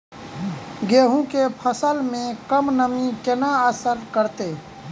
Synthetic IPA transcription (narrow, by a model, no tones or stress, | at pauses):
ɡeːɦũkepʰəsəlmẽkəmnəmĩkɪnaəsəɾkəɾt̪eː